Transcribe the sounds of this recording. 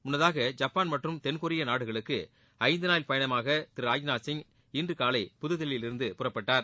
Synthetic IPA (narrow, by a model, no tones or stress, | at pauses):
mʊnːɐðaːɣɐd͡ʒɐpːaːnmɐʈrɯmt̪ɛnkʊɾɪjɐnaːɽɯɣɐɭɯkːɯ | ɐɪnd̪ɯnaːjlpɐjɐɳɐmaːɣɐt̪ɪɾaːjnaːsɪŋ | ɪndrɯkaːlɐɪpʊðɯðɪlɪɪlɪɾɯnd̪ɯpʊrɐpːɐʈːaːɾ